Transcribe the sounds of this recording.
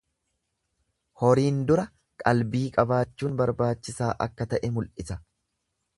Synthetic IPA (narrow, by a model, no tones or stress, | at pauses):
hɔɾiːnd̪ʊɾɐ | kʼɐlbiːkʼɐbaːt͡ʃːuːnbɐɾbaːt͡ʃːɪsaːʔɐ̰kːɐt̪ɐʔɛmʊlʔɪsɐ